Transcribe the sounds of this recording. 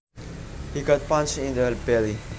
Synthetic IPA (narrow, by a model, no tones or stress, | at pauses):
hiɡɔt̚pãnt͡ʃĩndəlbɛli